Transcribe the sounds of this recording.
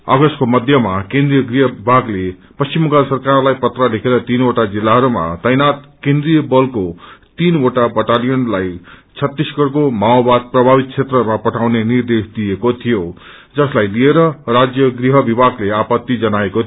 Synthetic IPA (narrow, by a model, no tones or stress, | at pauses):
aɡʌskomʌd̪ʱjʌmakẽnd̪rijʌɡriɦʌbibʱaɡle | pʌst͡simʌkasʌrkarlajpʌt̪rʌlekʰeɾʌt̪inoʈad͡zilːaɦʌɾuma̰tʌjnat̪kẽnd̪rijʌbʌlkot̪inoʈabʌʈalijʌnlajt͡sʰʌt̪ːisɡʌɽkomaobad̪̚prʌbʱabit̪̚t͡sʰet̪rʌmapʌʈʰawnenird̪esd̪ijekot̪ʰijo | d͡zʌslajlieɾʌrad͡zjʌɡriɦʌbibʱaɡleapʌt̪ːid͡zʌnaeko